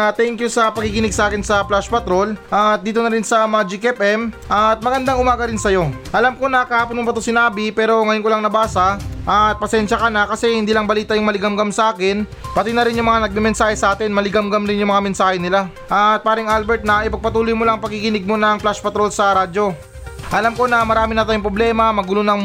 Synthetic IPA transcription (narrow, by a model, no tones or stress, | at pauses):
t̪ɛŋkjʊsɐpɐɡɪkɪnɪɡ̚sɐʔaːkɪnsɐplaʃpɐt̪ɾo̞lʔɐt̪̚d̪iːt̪o̞nɐɾɪnsɐmad͡ʒɪkɛpʔɛmʔɐt̪̚mɐɡɐnd̪aŋʊmaːɡɐɾɪnsɐjo̞ʔɐlamko̞nɐkɐhaːponmʊŋpɐt̪osɪnaːbɪpɛːɾo̞ŋɐjonkolɐŋnɐbaːsɐʔɐt̪̚pɐsɛnʃɐkɐnɐkɐsɛhɪnd̪iːlɐŋbɐliːt̪ɐjʊŋmɐlɪɡɐmɡɐmsɐʔaːkɪn | pɐt̪ɪnɐɾɪnjʊŋmɐŋanɐɡ̚mɛmɛnsaːhɛsɐʔaːt̪ɪnmɐlɪɡamɡɐmɾɪnjʊŋmɐŋamɛnsaːhɛnɪla | ʔɐt̪̚paːɾɪŋʔalbɛɾt̪̚nɐʔɪpɐɡ̚pɐt̪uːlojmolaŋpɐɡɪkɪnɪɡ̚mo̞nɐŋplaʃpɐt̪ɾo̞lsɐɾaːd̪d͡ʒo̞ | ʔɐlamko̞nɐmɐɾaːmɪnɐt̪aːjʊŋpɾoblɛːmɐmɐɡʊlonɐŋ